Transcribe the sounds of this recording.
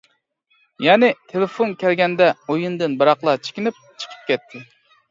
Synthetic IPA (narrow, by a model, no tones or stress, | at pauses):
jɛnɪt̪ʰelɪfonkʲɛlɡʲɛnd̪ɛojund̪ɨnbɨɾɑqlˠɑt͡ʃʰɪ̥kʲinɪp̚t͡ʃʰə̥qʰə̥p̚kʲɛt̪ʰːɪ